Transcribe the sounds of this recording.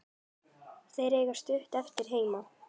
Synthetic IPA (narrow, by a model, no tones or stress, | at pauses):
θejɾeːjɣast̪ʏht̪ɛft̪ɪɾ̥ɦeːjma